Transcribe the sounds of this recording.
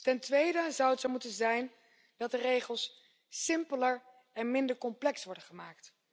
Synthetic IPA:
tɛntʋejdəzɑwətsɔwmutənzɛjn | dɑt̚dərejχəlˠsː | ɪmpələɹ | ɛnmɪndəɹkɔmplɛksʋɔɹdənχəmaːkt

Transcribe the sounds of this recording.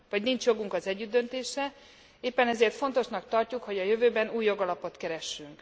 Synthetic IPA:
vɒɟnint͡ʃjo̞ɡuŋkɒzɛɟːyd̪ːø̞nt̪eːʃɛ | eːpːɛnɛzeːrt̪fo̞n̪t̪o̞ʃnɒk̚t̪ɒrcukho̞ɟɒjø̞vøːbɛnuːjːo̞ɡɒlɒpo̞t̪kɛɾɛʃːyŋk

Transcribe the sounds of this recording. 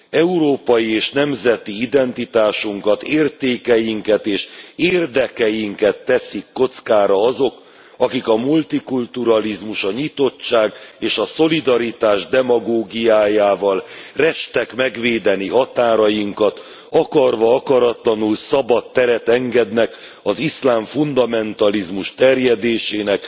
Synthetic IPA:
ɛuɾoːpɒjieːʃnɛmzɛt̪iid̪ɛnt̪it̪aːʃuŋkɒt̪eːrt̪eːkɛjiŋkɛt̪eːʃeːrd̪ɛkɛjiŋkɛt̪ːɛsikːot̪skaːɾɒɒzo̞k | ɒkikɒmult̪ikult̪uɾɒlizmuʃɒɲit̪o̞t͡ʃt͡ʃːaːɡeːʃɒso̞lid̪ɒɾit̪aːʒd̪ɛmɒɡoːɡijaːjaːvɒlrɛʃt̪ɛkmɛɡʋeːd̪ɛniɦɒt̪aːɾɒjiŋkɒt̪ | ɒkɒrvɒɒkɒɾɒt̪lɒnulsɒbɒt̪ːɛɾɛt̪ɛŋɡɛd̪nɛk | ɒzislaːɱfund̪ɒmɛnt̪ɒlizmuʃt̪ɛrjɛd̪eːʃeːnɛk

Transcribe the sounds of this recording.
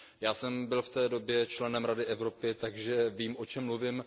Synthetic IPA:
jaːsɛmbɪlft̪ɛːdo̞bjɛt͡ʃlɛnɛmɾadɪʔɛvɾo̞pɪt̪aɡʒɛviːmʔo̞t͡ʃɛmːluvɪm

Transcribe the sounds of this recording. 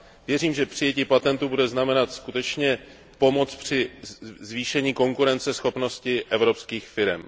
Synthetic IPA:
vjɛriːmʒɛpr̥ɪjɛciːpat̪ɛnt̪ubudɛznamɛnat̪skut̪ɛt͡ʃɲɛ | po̞mo̞t͡spr̝̥ɪzviːʃɛɲiːko̞ŋkuɾɛnt͡sɛsxo̞pno̞scɪʔɛvɾo̞pskiːxfɪɾɛ̰m

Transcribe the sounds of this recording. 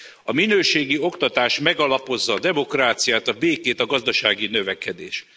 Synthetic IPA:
ɒminøːʃeːɡio̞kt̪ɒt̪aːʃmɛɡɒlɒpo̞zːɒːd̪ɛmo̞kraːt̪sijaːt̪ɒbeːkeːt̪ɒɡɒzd̪ɒʃaːɡinø̞vɛkɛd̪ḛːʃ

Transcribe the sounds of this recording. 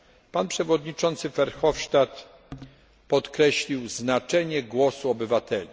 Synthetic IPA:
panpʂɛvɔd̪ɲit͡ʂɔnt̪sɘfɛɾxɔfʂt̪at̪ | pɔt̪kɾɛɕlʲiwznat͡ʂɛɲɛɡwɔsuɔbɘvat̪ʰɛlʲi

